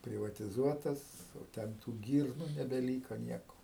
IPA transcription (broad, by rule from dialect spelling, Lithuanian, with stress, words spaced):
pʲrʲɪʋɐtʲɪˈzuɔtɐs jɛʊ ˈtʲɛn tuː ˈɡʲiːrnʊ nʲɛbʲɛˈlʲiːkoː ˈnʲiɛkoː